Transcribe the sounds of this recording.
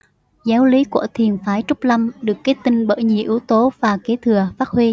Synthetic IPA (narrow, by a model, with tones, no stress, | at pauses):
zaː˨˦wli˨˦kṵ˧˩ət̪ʰi˨˩ənfaː˨˦jt͡ɕʊ˦˥k͡p̚la˧mɗɨ˨˩əkːa˨˦t̪ï˧ŋɓə̰ː˧˩ɲḭ˧˨˩ʔɨ˨˦wt̪o˨˦vaː˨˩ke˨˦t̪ʰɨ˨˩əfaː˦˥t̚hwi˧